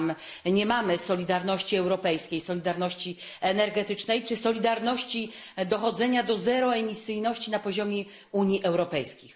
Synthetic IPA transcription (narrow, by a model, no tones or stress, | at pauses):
m | ɲɛmamɘsɔlʲid̪aɾnɔɕt͡ɕiɛwɾɔpɛjskʲejsɔlʲid̪aɾnɔɕt͡ɕi | ɛnɛɾɡɛt̪ɘt͡ʂnɛjt͡ʂɘsɔlʲid̪aɾnɔɕt͡ɕid̪ɔxɔd̪zɛɲad̪ɔzɛɾɔɛmʲisɘjnɔɕt͡ɕinapɔʑɔmʲjɛ | uɲiʔɛwɾɔpɛjskʲix